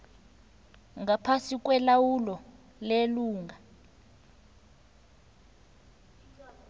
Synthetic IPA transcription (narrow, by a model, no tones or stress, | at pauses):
ŋapʰasik̬ʼwɛlawulɔ | leluːŋa